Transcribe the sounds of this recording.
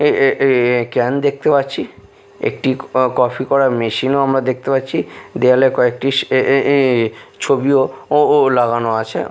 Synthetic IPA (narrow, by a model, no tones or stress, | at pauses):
e | kɛnd̪ek̚ʰt̪epatːɕʰi | ḛk̚ʈikɔpʰikɔɾaɾmeʃinoamɾad̪ek̚ʰt̪epatːɕʰid̪ealekɔek̚ʈi | t͡ɕʰobioolaɡanoat͡ɕʰḛ